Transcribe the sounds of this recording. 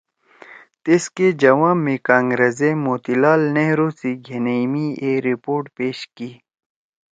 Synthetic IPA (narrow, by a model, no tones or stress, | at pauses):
t̪isked͡ʑɐwãːmmːekãːŋɡɾɐzemoːt̪ilaːlneɦɾosiɡʱenejmieɾipoːɾʈpeːɕkiː